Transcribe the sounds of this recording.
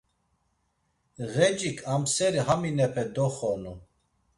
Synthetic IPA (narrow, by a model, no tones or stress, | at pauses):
ɣɛd͡ʒʼikʰamsɛɾiɦaminɛpʰɛd̪ɔχɔnu